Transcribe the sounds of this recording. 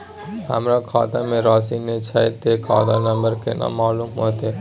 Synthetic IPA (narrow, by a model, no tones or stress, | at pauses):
ɦə̰mɾakʰa̰ːd̪amẽɾaːsinːet͡ʃʰajt̪ekʰa̰ːd̪anɐmbəɾkena̰maːlumɦoːt̪e